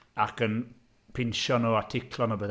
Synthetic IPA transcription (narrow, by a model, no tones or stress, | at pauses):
akən | pʰɪnʃɔnɔatʰɪkʰlɔnabəð